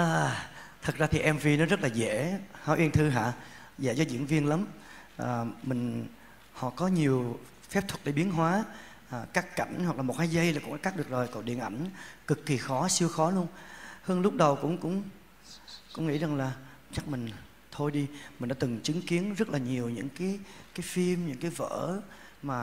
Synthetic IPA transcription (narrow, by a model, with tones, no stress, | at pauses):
ʔəː˨˩t̪ʰə˨˩t̚zaː˧t̪ʰi˨˩ʔɛ˧mvi˧nɔ˨˦zə˦˥t̚laː˨˩zɛ˧˩˥haː˨˦ʔi˧ənt̪ʰɨ˧ɦa̰ː˧˨ | zɛ̰ː˧˥zɔ˨˧˦zḭ˧˨ənvi˧ənla˨˦m | ʔəː˨˩mï˨˩ŋ̟ | hɔ̰˧˨kɔ˨˦ɲi˨˩əw | fɛ˦˥p̚t̪ʰwə˨˩t̚ɗə˧˩ɓi˨˦ənɦwaː˨˦ | ʔəː˨˩kaː˦˥kka˧˩jŋ̟hwa˨˩klaː˨˩mo˨˩kaː˨˦jzə˧jlaː˨˩kʊ̰˧˥ŋ͡mʔka˦˥ɗɨ˨˩k̚zo˨˩jkɔ̰˧˩ɗḭ˧˨ənʔa˧˩jŋ̟kɨ˨˩kːi˨˩xɔ˨˦si˧əwxɔ˨˦lu˧ənhəː˧nlʊ˦˥k͡p̚ɗə˨˩wkʊ̰˧˥ŋ͡mkʊ̰˧˥ŋ͡m | kʊ̰˧˥ŋ͡mŋḭ˧˥za˨˩ŋlaː˨˩ | t͡ɕa˦˥k̚mï˨˩ŋ̟ | t̪ʰo˧jɗi˧mi̟˨˩ɗaː˧˦t̪ɨ˨˩ŋt͡ɕɨ˨˦ŋki˨˦ənzə˦˥t̚laː˨˩ɲi˨˩əwɲɨ̰˧˥ŋkaː˨˦jkaː˨˦jfi˧mɲɨ̰˧˥ŋkaː˨˦jvə̰ː˧˥ | maː˨˩